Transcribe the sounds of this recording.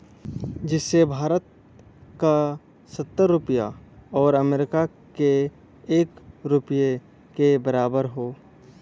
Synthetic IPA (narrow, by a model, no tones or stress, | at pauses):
d͡ʒɪsːebʱaːɾət̪̚ | ka | sət̪ːəɾːʊpəja̰ɔːɾəmeːɾɪka | ke | eːkɾʊpje | kebəɾaːbəɾɦoː